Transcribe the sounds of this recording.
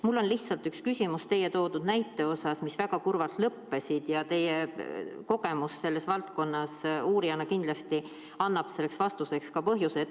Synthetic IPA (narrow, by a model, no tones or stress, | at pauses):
mulːo̞nliht̪sɑlt̪ykskysʲimust̪e̞jet̪o̞ːd̪ud̪̥næjt̪ːˑe̞o̞sɑsmisvæɡ̥ɑkurvɑlt̪lɤpːe̞sid̪̥jɑt̪e̞jeko̞ɡ̥e̞musse̞lːe̞svɑlt̪ko̞nːɑsuːɾiɑnɑkind̪lɑst̪i | ɑnːɑb̥se̞lːe̞ksvɑst̪use̞kskɑpɤɦjuset̪